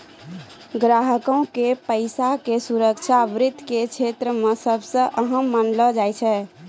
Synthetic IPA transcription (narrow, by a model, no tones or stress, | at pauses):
ɡɾaɦəkɔ̃ũkepəɪsakesuɾəkt͡ʃʰabɾɪd̪ʱket͡ʃʰet̪ɾəmesəbsə̃ʔəɦəmːənlɔd͡ʒajt͡ʃʰɛ